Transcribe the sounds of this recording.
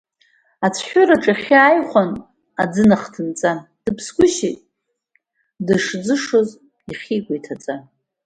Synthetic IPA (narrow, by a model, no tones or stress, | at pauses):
at͡sʰħʷᶣʊraʈ͡ʂʼaχʲɪajχʷan | ad͡zɨnaχtʰɨnt͡sʼad̥ɨpʰsɡʷʊʃitʼ | dɨʂd͡zɨʂoz | iχʲiːɡʷajtʰat͡sʼa